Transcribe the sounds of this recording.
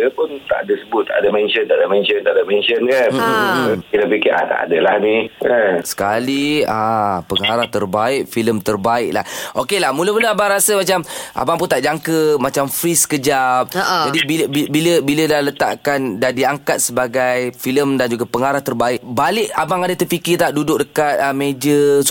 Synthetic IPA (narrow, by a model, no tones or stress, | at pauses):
əpʊnt̪a̰ʔadəsəbʊt̪ːaʔadəmɛnʃənt̪aʔadamɛnʃənt̪aʔadamɛnʃənkan | kit̪apikɪa̰t̪a̰ʔa̰dalahniəsə̥kaliãpəŋaɾaht̪ərbaɪʔ̚filəmt̪ərbaɪʔ̚la̰hʔokelahmũləmuləabaŋɾasəmat͡ʃamʔa̰baŋp̬unt̪aʔd͡ʒaŋkəmat͡ʃamfɾiskəd͡ʒap̚ʔd͡ʒadibiibiləbiləlalət̪a̰ʔkandadiaŋkat̪̚səbaɡajfiləmdand͡ʒuɡapəŋaɾaht̪ərbaɪʔbalɪʔabaŋadət̪əpikit̪aʔdudʊʔ̚dəkat̪̚əmed͡ʒə